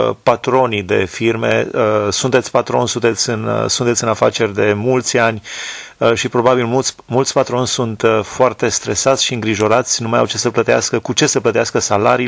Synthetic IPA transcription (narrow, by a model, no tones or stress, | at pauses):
pat̪ɾo̞nid̪e̞firmḛəsunt̪esʲpat̪ɾo̞nʲsunt̪e̞t̪sʲɨnsunt̪et̪sʲɨnafat͡ʃe̞rʲd̪e̞mult̪sʲanʲ | əʃipɾo̞babilmut̪sʲmult̪sʲpat̪ɾo̞nʲsunt̪foart̪e̞st̪ɾe̞sat̪sʲʃiɨŋɡɾiʒo̞ɾat̪sʲnumaja̰wt͡ʃe̞səplət̪ea̰skəkut͡ʃe̞səplət̪easkəsalaɾi